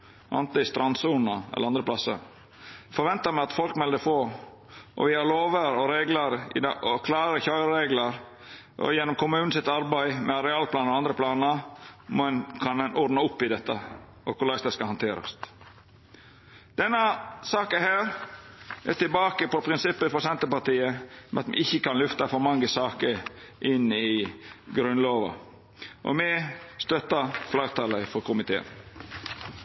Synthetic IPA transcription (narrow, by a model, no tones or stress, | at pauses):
ʔɑ̰nt̪ɪst̪ɾɑnsuːnəɛ̰ləɾɑnd̪ɾəpʰlɑsə̰ | fɔɾʋɛnt̪əmæɪɑt̪fɔlkmɛld̪əfoː | ʔɔ̰ʋɪhɑɾloːʋəɾɔɾeːɡləɾɪ̰d̪ɔkʰlɑːɾəçɑʏɾɾeːɡləɾ | ʔɔ̰jɛnːɔmkʰʊmʉːnn̩sɪt̪ɑɾbæɪmɛɑɾɛɑːlpʰlɑːnɾɔɑnd̪ɾəpʰlɑːnəmnkʰɑnɛnʔɔɾnɑʊpːɪd̪ɛt̪ːə | ɔkʰʊlɑɪsd̪ɑskɑhɑnt̪ʰeːɾɑ̰st̪ | d̪̥ɛnːɑsɑːkəhæːɾ | ʔɛt̪ɪlbɑːkəpɔpʰɾɪnsɪpːəfɔɾsɛnt̪əpɑɾt̪iːəmɛɑt̪mɛ̰ʔɪçːəkɑnlʉft̪ɑfɔɾmɑŋːəsɑːkəɾ | ʔɪnɪɡɾʉnloːʋɑ̰ | ʔɔ̰mɛst̪œt̪ːɑflɑɪt̪ʰɑləfɔɾkʰʊmɪt̪ʰḛːə̰n